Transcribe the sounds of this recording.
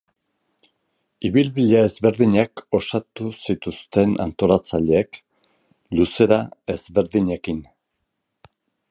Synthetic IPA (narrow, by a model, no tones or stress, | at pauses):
iβilβiʎae̞zβe̞ɾðiɲako̞sat̪usit̪ust̪e̞na̰nt̪o̞lat͡saʎeːk | luse̞ɾae̞zβe̞ɾðiɲe̞kin